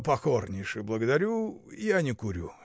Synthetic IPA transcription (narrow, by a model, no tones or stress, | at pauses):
pɐxornʲɪjʂɨblˠəɡəd̪ɐɾʲuijanʲɪkʊɾʲu